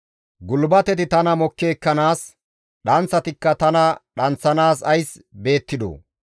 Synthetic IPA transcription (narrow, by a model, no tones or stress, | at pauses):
ɡʊlbɐt̪ɛt̪ɪt̪ɐnɐmɔkːeːkːɐnaːs | ɗɐnt͡sːɐt̪ɪkːɐt̪ɐnɐɗɐnt͡sːɐnaːsɐjsbe̞ːt̪ːɪd̪o̰ː